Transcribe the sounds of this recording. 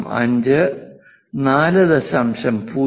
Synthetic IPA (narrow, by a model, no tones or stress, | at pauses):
mɐ̰ɲd͡ʑɨ | naːlɨd̪ɐɕɐmɕɐmpuː